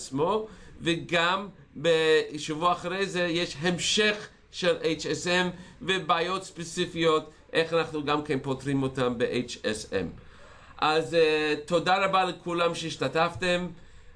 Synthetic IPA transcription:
t͡smo̞veɡam | beʃuvuaχɾejzejeʃɦemʃeχ | ʃelʔejt͡ʃesɛmvebaːjotspet͡sifijot | ʔeχanaχnuɡamkenpotʁimotambeʔejt͡ʃesḛm | ʔaztodaɾabalekʰulamʃeiʃtataftem

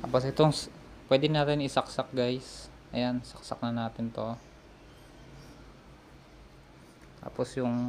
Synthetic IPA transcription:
t̪a̰ːposʔɪt̪oŋ | pwɛːd̪ɪnaːt̪ɪnɪsaksak̚ɡajsʔɐjansɐk̚sa̰k̚nɐnaːt̪ɪnt̪o̞ | t̪a̰ːposjʊŋ

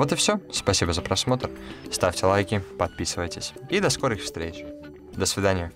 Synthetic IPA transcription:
vo̞t̪ɨfsʲospɐsʲibəzəpɾɐsmo̞t̪ərst̪afʲtʲɪlˠajkʲɪpɐt̪̚pʲisɨvəjtʲɪsʲid̪ɐskoɾɨxfst̪ɾʲet͡ɕ | d̪əsvʲɪd̪anʲɪjə

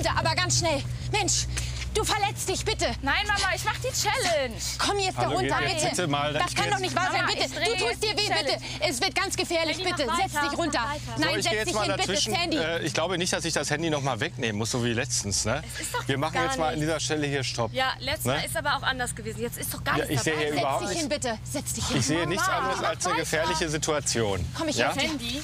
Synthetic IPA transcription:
təʔa̰ːbɐɡansʃnɛlmɛnʃ | d̥uːfɛɐlɛt͡st̚d̥ɪçb̥ɪtənaɪnmamaːɪçmaχədiːt͡ʃɛlɛnʃkʰɔmjɛt͡sthd̥aʁʊntɐbɪtətəmaːld̥askʰanndɔχnɪçtv̥aːɐzaɪnbɪtəduːtʰuːstd̥iːɐveːbɪtə | ʔɛsv̥ɪɐt̚ɡ̥ant͡sɡ̥əfɛːɐlɪçbɪtəzɛt͡std̥ɪçʁʊntɐ | naɪnɪzɛjɛ̥ɪmaːlɪdabɪvɪʃn̩hɛndiɛːʔɪ̰çɡ̥laʊbənɪçt̚d̥asɪçd̥ashɛndinɔχmaːlvɛkneːmənmʊsz̥oːviːlɛt͡stn̩snə | sviːɐmaχ̩jɛt͡smaːlandiːzɐʃtɛləhiːɐʃtʰɔpjaːlɛnəɪstaːbɐaʊxʔandɐsɡ̥əveːzn̩jɛt͡stɪsd̥ɔχɡ̥aja̰ːʔɪçz̥eːəhiːɐʔyːbɐhaʊpdɪnɪhɪnbɪtəz̥ɛt͡std̥ɪçhɪɪçz̥eːənɪçt͡sʔandʁəsalsdeːɐɡəfɛːɐlɪçəzitʰuat͡sjoːnkʰɔmɪçjaːɛ

